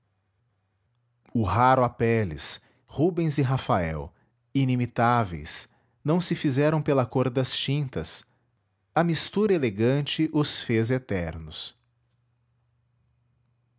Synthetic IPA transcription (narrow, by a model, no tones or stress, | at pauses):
ʊɦaɾʊapɛlɪ̰s | hubẽj̃zɪɦafaɛ̰w | inimit̪avḛjs | nɐ̃w̃sɪfizɛɾɐ̃w̃pelɐkoɾd̪ɐst͡ʃĩnt̪ɐs | ɐmist̪uɾɐeleɡɐ̃nt͡ʃɪʔʊsfezet̪ɛɾnʊs